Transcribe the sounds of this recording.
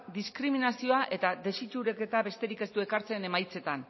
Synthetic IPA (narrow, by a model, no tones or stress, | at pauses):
d̪iskɾiminasio̞aʔe̞t̪ad̪e̞sit͡ʃuɾeke̞t̪aβe̞st̪e̞ɾike̞st̪ue̞kaɾt͡se̞ne̞majt͡se̞t̪an